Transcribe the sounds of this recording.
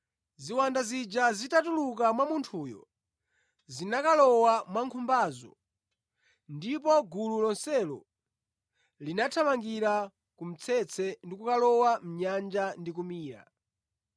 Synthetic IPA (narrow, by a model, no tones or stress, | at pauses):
ziwandazid͡ʒazitatulukamwamuntʰuːjɔ̰ | zinakalɔwamwaŋkʰumbaːzɔ̰ | ndipɔɡululɔnsɛlɔ̰ | linatʰamaŋɡiɾa | kum̩t͡sʰɛt͡sʰɛndikukalɔwam̩ɲand͡ʒandik̬umiːɾa̰